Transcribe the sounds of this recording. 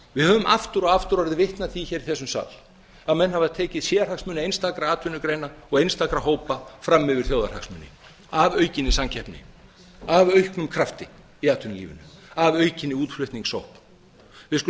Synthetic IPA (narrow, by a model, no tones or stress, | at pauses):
vɪðhœːvʏmʔa̰ft̪ʏɾɔɣaft̪ʏɾaɾðɪvɪht̪naθiçɛːɾiθɛsːʏmsa̰ːl | aðmɛnːhavaðt̪ʰɛːcɪðsjɛːaɾhaksmʏːnɪejnst̪akɾaaːt̪ʰʏnːʏkɾeːjnaɔɣejnst̪akɾaɦoːwpafɾamːʏvɪɾ̥θjoːwðaɾ̥ha̰ksmʏːnɪ̰ | avœɥcɪnːɪsaŋcʰɛhpnɪ̰ | avœɥhknʏmkʰɾaft̪ɪ | iaːt̪ʰʏnɪlḭvɪ̰nʏavœːɥcɪnːɪuːt̪flʏht̪niŋksowhp | vɪðsk